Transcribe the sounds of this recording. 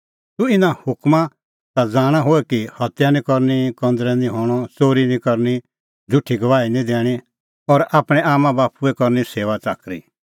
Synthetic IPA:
t̪uɪnãhʊkmã | t̪ad͡zaːɽ̃aɦoːɛkihɐt̪janĩkɔɾnikɔ̃nd̪ɾɛnĩɦoːɽ̃ɔsoːɾinĩkɔɾni | d͡zʱʊʈʰːiɡɐʋaːinĩd̪eːɽ̃i | ɔɾaːpɽ̃ɛ̃aːmãbaːpuɛkɔɾniseːʋat͡saːkɾḭ

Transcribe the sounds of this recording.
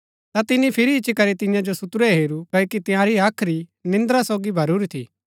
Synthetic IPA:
t̪at̪ɪnipʰɪɾiːt͡ʃːikɐɾet̪ɪ̃jãd͡ʒosʊt̪ɾɛɦeːɾukɐːokit̪ɪ̃jãɾiaːkʰɾinɪ̃nd̪ɾasoːɡibʱɐɾuɾit̪ʰḭː

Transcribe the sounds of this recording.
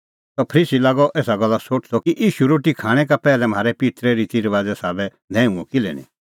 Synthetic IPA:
t̪ɔpʰɾiːsilaːɡɔʔeːsaɡɐlːasoːʈʰsɔkiʔiːʃuɾoːʈikʰaːɽ̃ɛkapɛːlɛm̤aːɾɛpɪt̪ɾɛɾit̪iɾʋaːd͡zɛsaːbɛ | d̪ʱɛ̃ːũɔ̃kɪlɛ̰nḭ̃

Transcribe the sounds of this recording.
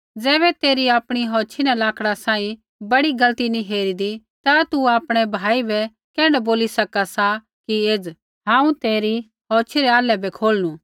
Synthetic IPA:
d͡zɛːβɛt̪eːɾiaːpɽ̃iɦɔːt͡ʃʰinɛlaːkʰɽasãːĩ | bɐɽiɡɐlt̪iniɦeːɾid̪i | t̪at̪uaːpɽ̃ɛbʱaːibɛ | kɛ̃ːɽ̃ɛboːlisɐkasa | kieːd͡z | ɦãːũt̪eːɾi | ɦɔːt͡ʃʰiɾɛaːlɛbʱɛkʰoːlnu

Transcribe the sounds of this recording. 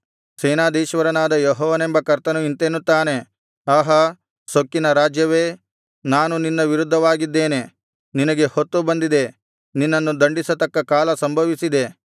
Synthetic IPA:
sɛːnaːd̪iːʃʋɐɾɐnaːd̪ɐjɔɦɔːʋɐnembɐkɐɾt̪ɐnuint̪eːnut̪ːaːne̞ | aːɦɐ | sokːinɐɾaːd͡ʒjɐʋe̞ː | naːnuninːɐʋiɾud̪ʱːɐʋaːɡid̪ːe̞ːne̞ | ninɐɡe̞hot̪ːubɐnd̪id̪e̞ | ninːɐnːud̪ɐɳɖisɐt̪ɐkːɐkaːlɐsɐmbʱɐʋisid̪e̞

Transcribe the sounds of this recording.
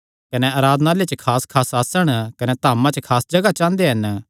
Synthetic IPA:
kɐneaːɾaːd̪naːlet͡ʃəkʰaːskʰaːsaːsəɽ̃kɐnet̪aːmãt͡ʃɐkʰaːsd͡ʒɐɡat͡ʃãːnd̪eɦɐn

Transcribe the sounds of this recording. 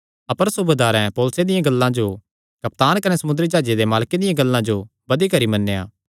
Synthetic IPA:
ɐpəɾsʊbed̪aːɾɛ̃pɔːlʊsed̪ɪjãɡɐlːãd͡ʒo | kɐp̚t̪aːnkɐnesɐmʊnd̪ɾid͡ʒaːd͡ʒed̪emaːlked̪ɪjãɡɐlːãd͡ʒo | bɐd̪ikɐɾimɐnːeja̰ː

